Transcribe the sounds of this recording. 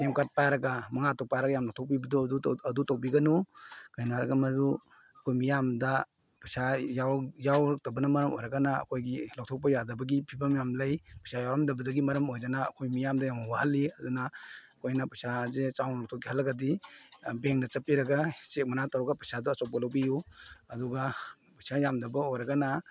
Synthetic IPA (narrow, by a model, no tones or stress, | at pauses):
temkat̚pajɾɐɡamɐŋatʰɔk̚pajɾɐɡajamlɔk̚tʰɔk̚pibɐduduɐdutowbiɡɐnukajnaɾɐɡamɐdu | ɐkʰojmijamdɐ | pajsajawjawɾk̚tabɐnɐmɐɾɐmo̰jɾɐɡanaɐ̰kʰojɡilɔk̚tʰɔk̚p̬ajadɐbɐɡipʰibamijamlɐjpajsʰajawɾamdɐbɐdɐɡimɐɾɐmojdana̰ːkʰojmijamdɐjawawahalːiɐdunaɐkʰojnɐpajsazet͡ʃawnlɔk̚tʰɔkihalːɐɡɐdibeŋk̚nɐt͡ʃɐpiɾɐɡasek̚mɐnatawɾɔɡapajsadɔɐsɔw̚pɐlawbijuɐduɡa | pajsajamdɐbɐojɾɐɡana